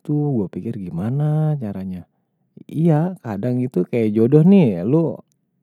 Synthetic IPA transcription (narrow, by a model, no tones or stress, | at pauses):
t̪uɡuapikɪrɡimanat͡ʃaɾaɲa | ijakadaŋit̪ukajad͡ʒodɔhnɪlu